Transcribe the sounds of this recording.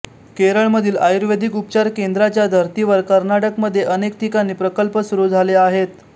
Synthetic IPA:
keɾəɭməd̪ʱiːlajuɾʋed̪ʱikup̚t͡ɕaɾkend̪ɾat͡ɕjad̪ʱəɾt̪iʋəɾkəɾnaʈəkməd̪ʱːjeʔənek̚t̪ikanːiːpɾəkəlpəsuɾuːd͡zʱaleaɦet̪

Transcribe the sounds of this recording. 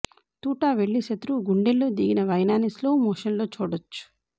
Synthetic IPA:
t̪uːʈaːʋeɭːiʃɐt̪ɾuɡuɳɖelːoːd̪iɡinɐʋɐjnaːnisloːmɔːʂɐnlo̞ːt͡ʃuːɽɐt͡ʃːu̥

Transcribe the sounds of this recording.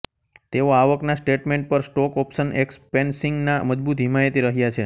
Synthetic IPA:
t̪eoaʋəknasʈeʈmeɳʈ̚pəɾsʈɔkɔpʃənʔekspensiŋɡnaməd͡ʒbut̪ɦimaet̪iɾəɦjat͡ʃʰe

